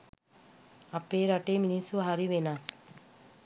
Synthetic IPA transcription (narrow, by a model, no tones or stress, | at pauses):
apeːɾaʈeminisuɦaɾiʋenas